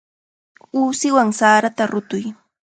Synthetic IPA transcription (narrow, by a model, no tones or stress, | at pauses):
uːsɪwaŋsaːɾat̪aɾʊt̪ʊj